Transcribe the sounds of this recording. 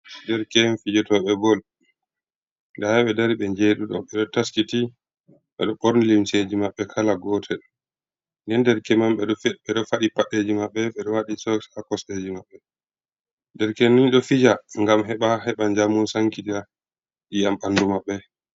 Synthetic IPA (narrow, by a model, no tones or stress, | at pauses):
dɛɾkɛmfid͡ʒɔtɔɓɛbɔl | daɛɓɛdaɾiɓɛɲd͡ʒeːɗuɗɔ̰ɓɛɗɔtaskiti | ɓɛ̰ɗɔɓoɾnilimsed͡ʒimaɓːɛkʰalaɡɔtʰɛ | nɛndɛɾkɛmamɓɛɗɔfɓɛɗɔfaɗipaɗed͡ʒimaɓːɛɓɛɗɔwaɗisɔksakɔsɗed͡ʒimaɓːɛ | dɛɾkɛniɲɗɔfid͡ʒaŋɡamɦɛɓaɦɛɓaɲd͡ʒamunsaŋkitia | ɗiamɓandumaɓːɛ